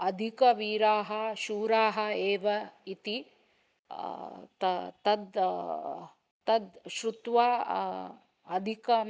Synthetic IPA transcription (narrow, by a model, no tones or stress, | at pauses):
ɐd̪ʱikɐʋiːɾaːɦɐʃuːɾaːɦɐeːʋɐit̪i | t̪ɐt̪ɐd̪ | t̪ɐd̪ʃɾut̪ʋaː | ɐd̪ʱikɐ